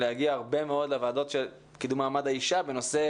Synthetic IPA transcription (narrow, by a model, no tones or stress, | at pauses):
leaɡiaːʁbe̞meo̞d̪levaːd̪o̞t̪ʃel | kid̪umaːmadaiʃabe̞no̞se̞